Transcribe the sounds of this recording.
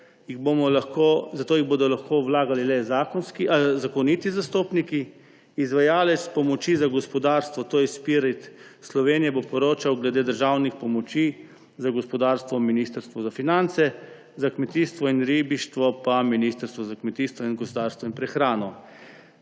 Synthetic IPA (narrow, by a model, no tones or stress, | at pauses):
jiɣbomɔlaxkozat̪oːjiɣboːd̪ɔlaxkoːwlaːɡalilɛzakɔnskizakɔnit̪izast̪oːpnikiː | zʋajaːlɛt̪spɔmɔt͡ʃizaɡɔspɔd̪aːɾst̪ʋɔt̪oːjɛspiɾit̪slɔʋeːnijɛbopɔɾoːt͡ʃawɡlɛd̪eːd̪əɾʒaːwnixpɔmɔt͡ʃi | zaɡɔspɔd̪aːɾst̪ʋɔminist̪əɾst̪ʋɔzafinant̪sɛ | zakmɛt̪iːst̪ʋɔinɾiːbiʃt̪ʋɔpaminiːst̪əɾst̪ʋɔzakmɛt̪iːst̪ʋɔinɡɔspɔd̪aɾst̪ʋɔinpɾɛxɾaːnɔ